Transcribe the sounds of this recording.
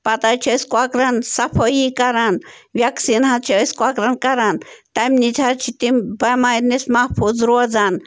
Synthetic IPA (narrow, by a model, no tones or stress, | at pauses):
pɐt̪at͡ʃʰəskwakɾɐnsɐpʰəjikɐɾanʋʲjaksinɦat͡ʃʰiəskwakɾɐnkɐɾant̪ɐmnit͡ʃʰat͡ʃʰit̪imbɐmanismapʰuzɾod͡zan